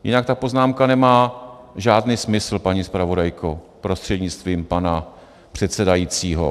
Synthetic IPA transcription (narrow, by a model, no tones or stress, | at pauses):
jɪ̰nakt̪apo̞znaːmkanɛmaː | ʒaːdniːsmɪsl̩paɲispɾavo̞dajkʰo | pɾo̞st̪r̥ɛdɲɪt͡st̪viːmpana | pr̥ɛt̪sɛdajiːt͡siːɦo̰